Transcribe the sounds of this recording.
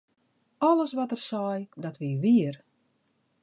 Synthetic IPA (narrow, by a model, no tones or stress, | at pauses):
ɔləsʋɔtərsɔjdɔtʋiʋiər